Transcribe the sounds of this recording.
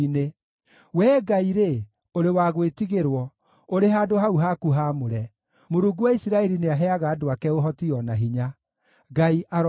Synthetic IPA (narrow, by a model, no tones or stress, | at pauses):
ne | wɛːɡaiɾe | oɾewaɣwetiɣeɾwɔ | oɾeɦaːdoɦauɦakuɦamoɾɛ | moɾuːɡuwaisiɾaɛɾineaɦɛaɣaːdoakɛoɦɔtiɔnaɦiɲa | ɡaiʔaɾ